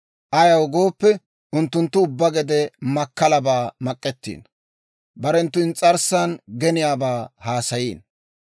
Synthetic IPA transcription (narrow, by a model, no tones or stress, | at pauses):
ʔɐjɐwɡo̞ːpːɛ | ʔʊnt̪ːʊnt̪ːʊʊbːɐɡɛd̪ɛmɐkːɐlɐbaːmɐkʼːɛt̪ːḭːn | bɐɾɛnt̪ːʊɪnt͡sʼɐɾsːanɡɛnɪjaːbaːhaːsɐjiːn